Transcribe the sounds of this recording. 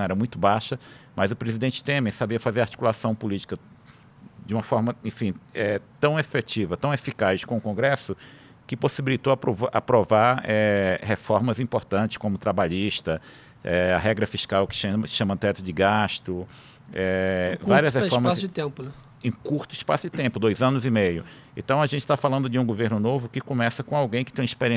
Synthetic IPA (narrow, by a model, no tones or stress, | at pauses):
ɛɾɐmũj̃t̪ʊbaʃɐmɐzʊpɾezid̪ẽnt͡ʃɪ̥t̪ẽmẽsabiɐfazeɾaɾt͡ʃi̥kulasɐ̃w̃pulit͡ʃi̥kɐ | d͡ʒɪũmɐfɔɾmɐẽfĩɛt̪ɐ̃w̃efet͡ʃivɐt̪ɐ̃w̃efikazjʃkõʊkõɡɾɛsʊ | kɪposibilit̪oɐa̰pɾovaɾɛhefɔɾmɐzĩpoɾt̪ɐ̃nt͡ʃɪ̥skõmʊt̪ɾabaʎiʃt̪ɐ | ɛɐ̰ɦɛɡɾɐfiʃkawkɪ̥ʃɐ̥ʃɐ̃mɐt̪ɛt̪ʊd͡ʒɪɡaʃt̪ʊ | ɛvvaɾiɐshefɔɾmɐasd͡ʒɪt̪ẽmpʊnɛ | ẽkuɾt̪ʊɪspasʊd͡ʒɪt̪ẽpʊd̪ojzɐ̃nʊzimejʊ | ẽt̪ɐ̃w̃ɐʒẽnt͡ʃɪ̥t̪afalɐ̃nd̪ʊd͡ʒɪũɡoveɾnʊnovʊkɪkõmɛsɐkõawɡẽj̃kɪ̥t̪ẽj̃ispeɾiẽ